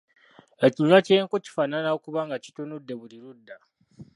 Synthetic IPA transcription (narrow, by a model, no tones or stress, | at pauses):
akʲiɲat͡ʃejŋkʷut͡ʃi̥fananakubaŋɡat͡ʃi̥tonudabuɽiɾudːa